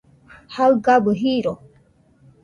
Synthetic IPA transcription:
hawɡabəɦiɾɔ

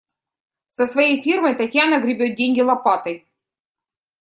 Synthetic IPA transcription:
səsvɐjejfʲirməjt̪ɐtʲjanɐɡɾʲɪbʲot̪̚dʲenʲɡʲɪlˠɐpat̪əj

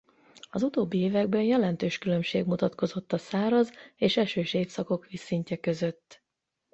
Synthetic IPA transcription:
ɒzut̪oːbːieːvɛɡ̚bɛnjɛlɛnt̪øːʃkylø̞mʃeːɡmut̪ɒt̪ko̞zo̞t̪ːɒsaːɾɒzeːʃɛʃøːʃeːfsɒko̞kʋisiɲcɛkøzøt̪ː

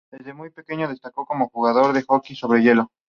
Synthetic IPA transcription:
d̪e̞zðe̞mujpe̞keɲo̞ðe̞st̪ako̞ko̞mo̞xuɣaðo̞ɾðe̞xokiso̞βɾe̞ʝe̞lo̞

